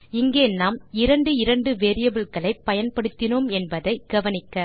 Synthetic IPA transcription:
ɪŋɡeːnːaːmɪɾɐɳɖɯɪɾɐɳɖɯʋeːɾɪjɐbɪɭkɐɭɐɪpːɐjɐnpɐɽɯt̪ːɪnomɛnbɐðɐɪɡ̥ɐʋɐnɪkːɐ

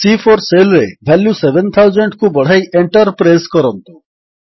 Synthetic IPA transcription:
sifʰɔɾselɾebʱɛljusebʱent̪ʰawzɔɳʈkubɔɽ̤ajʔeɳʈɔɾpɾajskɔɾɔnt̪u̥

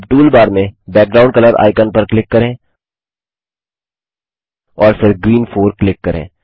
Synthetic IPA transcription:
ʈuːlbaːɾmẽbɛːk̚ɡɾaːʊɳɖkələɾa̰ːɪkənpəɾklɪkːəɾẽː | ɔːɾfʰɪɾɡɾiːnfʰoːɾklɪkːɐɾḛ̃ː

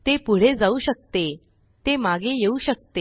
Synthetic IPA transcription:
t̪epuɽ̤ed͡zauɕək̚t̪e | t̪emaɡejeuɕək̚t̪e

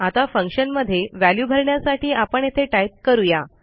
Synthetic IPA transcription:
at̪afəŋkɕənməd̪ʱːjeʋæljuːbʱəɾɳjasaʈiːapəɳjet̪ʰeʈajp̚kəɾuja

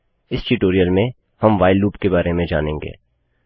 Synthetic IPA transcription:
ɪsʈiʈoːɾijəlmẽ | hɐmʋaːɪlːuːpkebaːɾemẽd͡ʒa̰ːnẽːŋɡḛː

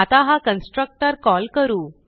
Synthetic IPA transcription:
at̪aɦakənsʈɾək̚ʈəɾkɔlkəɾuː

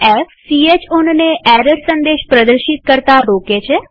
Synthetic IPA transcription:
ɛfsiet͡ʃonneʔɛɾəɾsənd̪eːʃpɾəd̪əɾʃɪt̪̚kəɾt̪aɾoːket͡ʃʰe

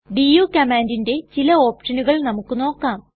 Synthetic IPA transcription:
ɖijukɐmaːndinde̞t͡ɕilɐo̞ːpʂɐnuɣɐɭnɐmukːɨno̞ːkːaːm

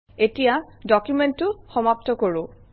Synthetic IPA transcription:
etijadɔkjumɛntːʊxɔmap̚tɔkoɹʊ̃

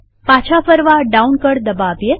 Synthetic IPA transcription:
pat͡ʃʰapəɾʋaɖaunkəɽd̪əbabje

